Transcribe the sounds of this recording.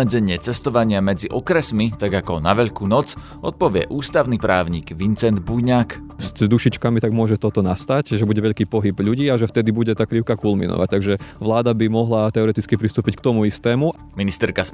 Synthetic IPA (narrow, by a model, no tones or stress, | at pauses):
ɛd͡zɛɲɪɛt͡sɛst̪ɔʋaɲɪamɛd͡ziʔɔkɾɛsmit̪aɡakɔnaʋɛʎkuːnɔt͡s | ɔ̰t̪̚pɔʋɪɛ̰ʔuːst̪aʊnipɾaːʊɲiːɡʋint͡sɛnd̪bujɲak | zd̪uʃit͡ʃkamit̪aɡmʊɔʒɛt̪ɔt̪ɔnast̪acʒɛbuɟɛʋɛʎkiːpɔɦibʎuɟiːaʒɛft̪ɛd̪ibuɟɛt̪akɾiʊkakulmḭnɔ̰ʋa̰c̚t̪aɡʒɛʋlaːd̪abimɔɦlat̪ɛɔɾɛt̪it͡skipɾist̪uːpickt̪ɔmuist̪ɛːmu | minist̪ɛɾkas